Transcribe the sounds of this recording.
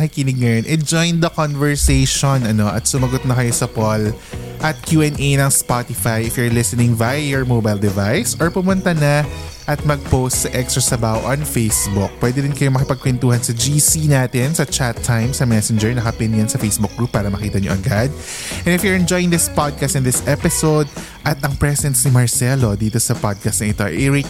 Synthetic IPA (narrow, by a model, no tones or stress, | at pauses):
ɐkɪkɪnɪɡ̚ŋɐjonʔɛd͡ʒojnd̪ɐkonvɛɹsejʃonʔɐno̞ʔɐt̪sʊmɐɡot̪̚nɐkɐjosɐpolʔɐt̪̚kjuːɛnejnɐŋspat̪ɪfajɪfjʊɹlɪsɛnɪ̃ŋvajɔɹmoːbajld̪ɛvajsɔɹpʊmʊnt̪anɐʔɐt̪̚mɐɡ̚powst̪sɐʔɛksɹɐsɐbaːʔoʔɐnfejsbʊk̚pwɛd̪ɛɾɪnkɐjomɐkɪpɐɡ̚kwɪnt̪uːhɐnsɐd͡ʒisinaːt̪ɪnsɐt͡ʃat̪ʰːajmsɐmɛsɛnd͡ʒɛɹnɐkɐpɛnjɐnsɐfejsbʊk̚ɡ̥ɹup̚ːaːɾɐmɐkiːt̪ɐɲoʔɐɡad̪̚ | ʔɛ̃nɪfjʊɹɛnd͡ʒojɪŋd̪ɪspad̪̚kɐst̪ɪ̃nd̪ɪsʔɛpɪsowd̪̚ | ʔɐt̪ɐŋpɹɛsɛnsnɪmɐɹsɛlo̞d̪iːt̪o̞sɐpad̪̚kɐst̪nɐʔɪt̪o̞ʔɛɹɪk